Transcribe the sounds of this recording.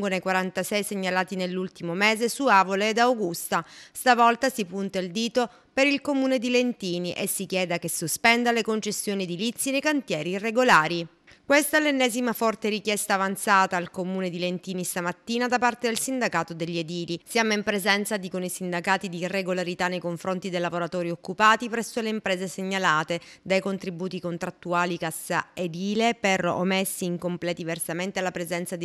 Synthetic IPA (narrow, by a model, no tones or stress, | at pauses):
ŋɡonejkwaɾant̪asɛjseɲːalaːt̪inelːult̪imomeːzesuaːvoleːd̪awɡust̪ast̪avɔlt̪asipunt̪aild̪iːt̪o | peɾilkomuːned̪ilent̪iːniʔesːikjɛːd̪akesuspɛnd̪alekont͡ʃesːjoːnid̪ilit̪sːinejkant̪jɛːɾiːrːeɡolaːɾi | kwest̪alenːɛːzimafɔrt̪eɾikjɛst̪aːvant̪saːt̪aːlkomuːned̪ilent̪iːnist̪amat̪ːiːnad̪apart̪ed̪elsind̪akaːt̪od̪eʎːied̪iːlisjaːmoimpɾezɛnt̪sad̪ikonisind̪akaːt̪id̪iːrːeɡolaɾit̪anːejkoɱfɾont̪id̪ejlavoɾat̪oːɾiokːupaːt̪ipɾɛsːoleimpɾeːzeseɲːalaːt̪ed̪ajkont̪ɾibuːt̪ikont̪ɾat̪ːuaːlikasːa̰ed̪iːlepero̰mesːiːŋkomplɛːt̪iiversament̪ealapɾezɛnt̪sad̪